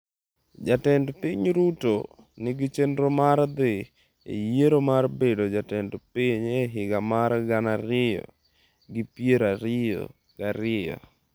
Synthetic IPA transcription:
d͡ʒatɛndpiɲɾuto | nɪɡɪt͡ʃendɾomaɾd̪ɪ | ḛjeɾomarbedod͡ʒatɛndpɪɲeɦɪɡamaɾɡanaɾɪjɔ̰ | ɡɪpjeɾaɾɪjo̰ | ɡ̥aɾɪjɔ̰

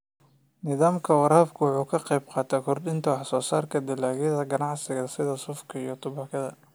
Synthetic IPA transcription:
nɪðaːmkʰɐwɑɾaːbkʰʊwʊħuːkʰɐqɛjbqɑːt̪ʰaːkʰɔrd̪ɪnt̪ʰɐwɑħsɔːsaːrkʰɐd̪ɪlaːɣɛðɐɡɐnɑʕsɪɣɐsɪðɐsʊfkʰɐijɞt̪ʰʊβɑkʰɐðɐ̰

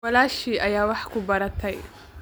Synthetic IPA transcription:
ɐlaːʃiʔajawaħkubaɾataj

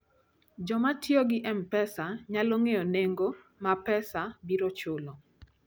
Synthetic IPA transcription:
d͡ʒɔmatjɔɡɪʔɛmpɛsaɲaloŋeɔneŋɡo | mapɛsabiɾot͡ʃʊlɔ

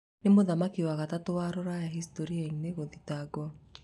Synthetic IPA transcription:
nemoðamakiwaɣatatowaɾoɾajaɦistoɾiaŋneɣoðitaɡwɔ

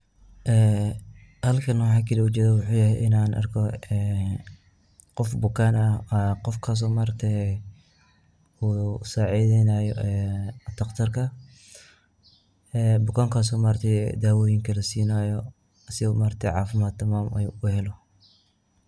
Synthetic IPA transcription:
ʔɛː | hɐlkʰɐnɔħakʰɪlɛʊt͡ʃɛːðɐwʊħuːjɐhɛjʔɪnaːnʔɐ̰rkʰɔɛː | qɔfbʊkʰaːnɐqɔfkʰas̬ɔːmaːɾt̪ʰɛ | uːsaːʕiːðɛnaːjɔʔɛːt̪ʰɐqt̪ʰɐrkʰɐ | ɛːbʊkʰaːŋkʰaːs̬ɔːmaɾt̪ʰɛ̰d̪aːwɔːjɪŋkʰɐlɐsiːnaːjɔ | sɪmaːrt̪ʰɛʕɑːfɪmaːd̪̚t̪ʰːɐmaːmɐ̰juʊhɛlɔ

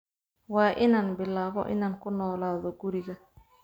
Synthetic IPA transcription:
wɑːʔɪnaːnbɪlaːβɔ̰ʔɪ̰naːŋkʰʊnɔːlaːðɔɡʊɾɪɣɐ

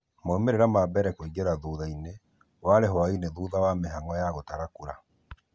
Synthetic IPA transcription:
moːmeɾeɾamabɛɾɛkoiɡeɾaðuːðaine | waɾeɦwaineðuːðawameɦaŋɔjaɣotaɾakuɾa

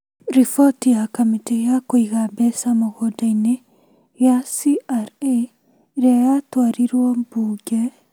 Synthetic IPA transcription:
ɾifɔtijakamitejakoiɣabɛsamoɣɔdaine | jasiʔaɾe | ɾeajatwaɾiɾwɔmbuɡɛ

